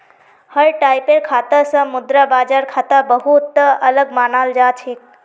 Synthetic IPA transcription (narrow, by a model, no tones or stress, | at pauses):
həɾʈaːɪpeɾkʰaːt̪əsə̃mʊd̪ɾabaːd͡ʒaːɾkʰaːt̪abəɦut̪ːɐləɡmaːnaːld͡ʒaːt͡ʃʰeːk